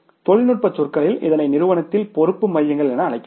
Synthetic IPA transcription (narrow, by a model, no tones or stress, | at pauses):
t̪ɔɻɪnɯʈ̚pɐt͡ʃːʊrkɐɭɪlɪ̰ðɐnɐɪnɪɾɯʋɐnɐt̪ːɪlpɔɾɯpːɯmɐjːɐŋɡɐɭɛnɐːɭɐɪkː